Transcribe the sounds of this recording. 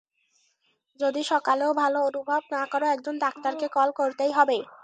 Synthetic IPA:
d͡ʑod̪iʃɔkaleobʱaloonubʱabnakoɾoɛk̚d͡ʑond̪ak̚t̪aɾkekɔlkoɾt̪ejɦɔbe

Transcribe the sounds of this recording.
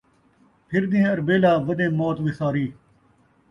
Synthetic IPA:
pʰɪɾnĩːɐɾbeːlaːʋɐnẽːmoːt̪ʋɪsaːɾiː

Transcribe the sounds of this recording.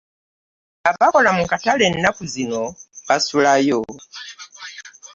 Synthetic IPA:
abakɔlamukatalɛnːakuzinɔkasulajɔ

